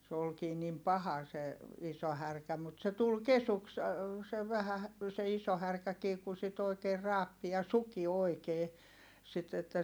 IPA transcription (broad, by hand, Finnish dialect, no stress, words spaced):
se olkiː nim pɑhɑ se iso hærkæ mut se tul kesuks se ʋæhæ hæ se iso hærkækiː ku sit oikeːr rɑːpːi jɑ suki oikeː sit etːæ